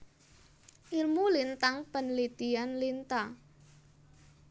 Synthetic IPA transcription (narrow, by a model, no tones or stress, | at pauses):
ʔirmulint̪aŋpənlit̪ianlint̪a